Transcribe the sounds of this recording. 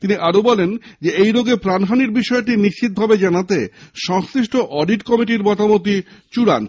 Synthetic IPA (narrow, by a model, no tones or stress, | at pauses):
t̪iniʔaɾobɔlend͡ʑeejɾoɡepɾanɦaniɾbiʃɔeʈ̬iniʃid̪̚bʱabed͡ʑanat̪eʃɔŋsɾiʃʈoʔɔɖiʈkɔmiʈ̬iɾbɔt̪amot̪it͡ɕuɾa̰n